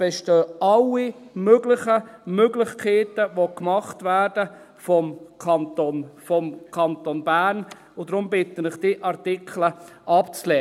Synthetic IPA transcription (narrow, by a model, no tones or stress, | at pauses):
b̥ɛʃtøːɑlːimøɡlɪχəmøɡlɪχkʰeːtəvokmɑχtvæːɾd̥ə | fɔmkʰɑntonfɔmkʰɑntonbæːɾn | ʊdɾʊmbɪtənɪχd̥iʔɑɾtɪkʰləʔɑpt͡slɛː